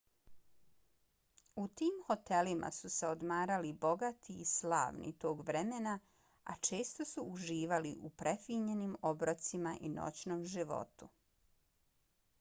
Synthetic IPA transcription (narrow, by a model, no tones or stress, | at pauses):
ut̪iːmxo̞t̪e̞limʔa̰suse̞od̪maːɾalibo̞ɡat̪ʰiːsla̰ːʋnḭt̪oːɡʋɾemena | a̰t͡ʃe̞ːst̪o̞suːʒiːʋaliʔupɾʔefiɲe̞nimobɾot̪simaʔino̰t͡ɕnoːmʒiʋo̞̰t̪u